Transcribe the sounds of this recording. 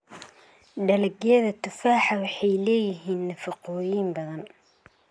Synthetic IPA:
ɖɐlɐɡɛːðɐt̪ʰʊfaːħɐwɑħɑjlɛːjɪɦiːnːɐfɐqɔːjimbɐðɐn

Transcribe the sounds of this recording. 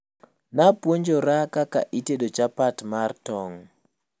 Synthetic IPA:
napwoɲd͡ʒoɾakaka̰ʔiteɗot͡ʃapatmartɔŋ

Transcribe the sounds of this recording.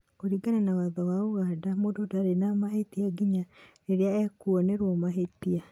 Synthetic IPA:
oɾiɡananawaðawaoɣadamoːdodaɾenamaɦetiaɡiɲaɾeɾeaɛkuɔnɛɾwɔmaɦetia

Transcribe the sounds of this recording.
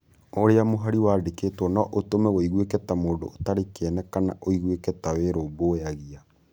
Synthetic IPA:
oɾeamoɦaɾiwaːdekeːtwɔnaʔotomɛɣoiɣwekɛtamoːndo̰ːtaɾekeɛnɛkana̰ʔoiɣwekɛtaweɾobojaɣia

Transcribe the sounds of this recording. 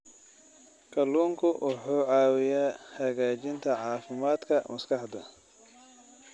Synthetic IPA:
kʰɐluːŋkʰʊwʔʊħuːʕɑːwɪjaːhɐɣaːt͡ʃɪnt̪ʰɐʕɑːfɪmaːd̪kʰɐmɐskʰɑħd̪ɐ̰

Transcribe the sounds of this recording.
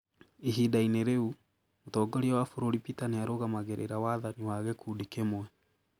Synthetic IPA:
iɦidaineɾeu | motɔːɡɔɾiawafoɾoɾipitaneaɾoɣamaɣeɾʔḛɾawaðaniwaɣɛkʰuːdikemwɛ

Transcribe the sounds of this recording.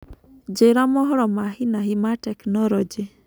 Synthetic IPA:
d͡ʒeɾamɔɦɔɾɔmaɦinaɦimatɛknɔɾɔd͡ʒi

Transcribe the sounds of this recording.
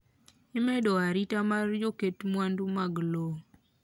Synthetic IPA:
ɪmɛdɔaɾitamard͡ʒoketmwandumaɡlo

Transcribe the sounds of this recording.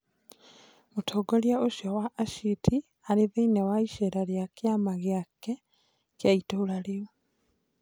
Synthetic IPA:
motʰoːɡɔljaoʃjawaʔːʃitʰi | aɾeðeinɛwaiʃɛɾaɾjakjamaɣjakːɛ | kjaitoːlaɾeo

